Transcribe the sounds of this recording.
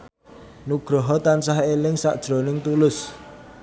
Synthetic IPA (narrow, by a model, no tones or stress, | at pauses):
nuɡ̥ɾɔɦɔt̪ansaɦelɪŋsaʔd̥ʒ̥ɾonɪŋt̪ulʊs